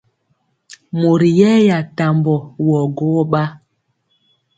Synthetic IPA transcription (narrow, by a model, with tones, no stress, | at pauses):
mo˨ɾi˨jɛ˦ja˨ta˨mbɔ˨wɔ˨ɡɔ˦ɓa˦